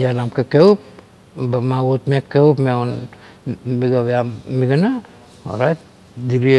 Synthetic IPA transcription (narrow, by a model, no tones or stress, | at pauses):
jalamkekewp̚ | bamawotmekːewpmeon | miɡaβeamːiɡana | o̰ɾajt̚ | diɾi